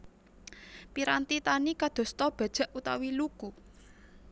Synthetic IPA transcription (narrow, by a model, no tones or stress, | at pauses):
piɾant̪it̪anikad̪̥o̤st̪ɔb̥a̤d̥ʒ̥a̤ʔut̪awiluku